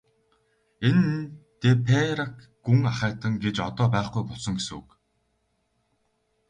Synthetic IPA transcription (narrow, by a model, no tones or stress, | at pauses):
ent̪epʰeɾak | ɡuŋaχæːt̪ə̆ŋɡet͡ɕɔt̪ɔːpæːχɡujpʊɮsɞ̆ŋɡesṵːk